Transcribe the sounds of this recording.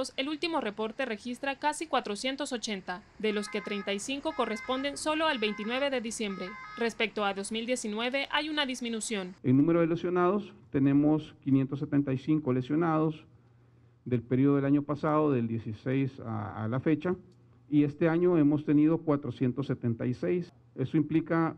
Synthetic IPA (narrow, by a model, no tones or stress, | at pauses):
se̞lult̪imo̞re̞po̞ɾt̪ere̞xist̪ɾakasikwat̪ɾosje̞nt̪o̞so̞t͡ʃe̞nt̪a | ðe̞lo̞ske̞t̪ɾejnt̪ajsiŋko̞ko̞re̞spo̞nd̪e̞nso̞lo̞albe̞jnt̪inwe̞β̞e̞ðe̞ðisje̞mbɾe̞re̞spe̞k̚t̪oaðo̞zmild̪je̞sinwe̞βe̞ʔajunaðizmĩnusjo̞neŋnũme̞ɾoð̞ele̞sjo̞nað̞ost̪e̞ne̞moskinjent̪osːet̪e̞nt̪ajsiŋkole̞sjo̞nað̞os | d̪e̞lpeɾioelaɲo̞pasaðoðe̞ld̪je̞sisejsa̰a̰lafe̞t͡ʃa | ie̞st̪e̞aɲo̞e̞mo̞st̪e̞niðo̞kwat̪ɾosje̞nt̪osːe̞t̪ent̪ajse̞js | e̞stoimplika